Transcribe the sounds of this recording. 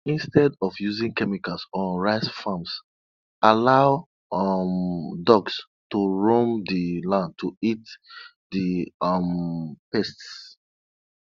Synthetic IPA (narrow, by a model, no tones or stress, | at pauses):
ĩnstɛdɔfjuzĩŋkɛmikalsɔ̃nɹaɪsfãms | ʔalaʊ | mdɔɡs | tuɹõmdilãnd̚tʰuit | diʌmpɛsts